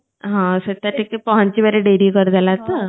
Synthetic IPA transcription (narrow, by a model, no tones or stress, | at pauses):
ɦãsət̪aʈʰikːepɔɦãɲt͡ɕibeɾeɖeɽiːkəɾd͡z̪alat̪a